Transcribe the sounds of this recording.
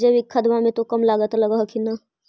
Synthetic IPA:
d͡ʒebɪkʰːəd̪mamẽt̪okəmlaːɡət̪ləɡəɦkina

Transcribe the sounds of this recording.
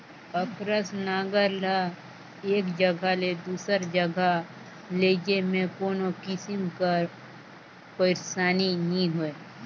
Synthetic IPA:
əkɾəsnaːɡəɾla | eːkd͡ʒəɡʱaled̪uːsəɾd͡ʒəɡʱa | leːd͡ʒemẽkoːnokɪsɪmkaɾ | pəɪɾsaːninĩɦoe

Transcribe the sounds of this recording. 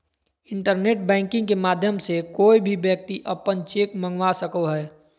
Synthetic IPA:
ɪ̃ɳʈəɾneːʈbɛ̃ːŋkɪ̃ŋɡkemaːd̪ʱjəmsekoːibʱibjək̚t̪iʔəpənt͡ʃeːkmə̃ŋɡwasəkoɦɛː

